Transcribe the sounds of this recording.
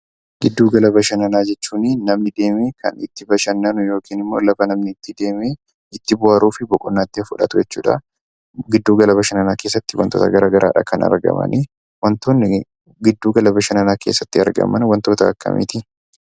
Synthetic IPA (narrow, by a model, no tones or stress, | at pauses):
ɡ̥ɪd̪ːuːɡɐlɐbɐʃɐnɐnaːd͡ʒɛt͡ʃːuːnɪnɐmnɪd̪e̞ːmeːkʰɐ̰nɪt̪ːɪbɐʃɐnːɐnʊjo̞ːkiːnɪmːoːlɐfɐnɐmnɪt̪ːɪd̪eːme | ɪt̪ːɪbʊaːɾuːfɪbɔkʼʊnːaːt̪ːɪɐfʊᶑɐ̰t̪ʊd͡ʒɛt͡ʃːṵːᶑɐ̰ | ɡɪd̪ːuːɡɐlɐbɐʃɐnɐnaːkeːsːɐt̪ːɪwɐ̰nt̪oːt̪ɐɡɐɾaːɡɐɾʔa̰ːᶑɐ̰kɐnɐ̰ɾɡɐ̰mɐ̰nɪ | wɐnt̪oːnːɪ | ɡɪd̪ːuːɡɐlɐbɐʃɐnɐnaːke̞ːsːɐt̪ːɪɐ̰ɾɡɐ̰mɐnwɐnt̪o̞ːt̪ɐɐ̰kːɐ̰mʔɪ̰ːt̪ɪ